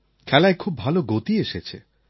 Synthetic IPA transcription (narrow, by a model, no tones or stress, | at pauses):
kʰɛlaekʰubbʱaloɡot̪ieʃet͡ɕʰḛ